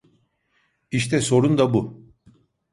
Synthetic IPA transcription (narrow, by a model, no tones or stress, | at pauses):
iʃt̪ʰɛso̞ɾund̪abu